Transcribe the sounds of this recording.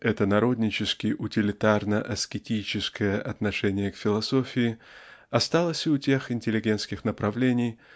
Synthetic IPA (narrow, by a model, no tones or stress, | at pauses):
ɛt̪ənɐɾo̞d̪ʲnʲɪt͡ɕɪskʲɪʔʊtʲɪlʲɪt̪arnəʔɐskʲɪtʲit͡ɕɪskəjəʔɐt̪nɐʂɛnʲɪjəkfʲɪlˠɐso̞fʲɪɪɐst̪alˠəsʲʊtʲe̞xɪnʲtʲɪlʲɪɡʲe̞nt̪skʲɪxnəpɾɐvlʲenʲɪj